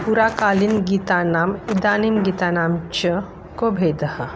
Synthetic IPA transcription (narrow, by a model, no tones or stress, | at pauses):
puɾaːkaːlinɡiːt̪anaːmid̪aːnimɡiːt̪anaːmt͡ʃə | koːbʱeːd̪ɐhə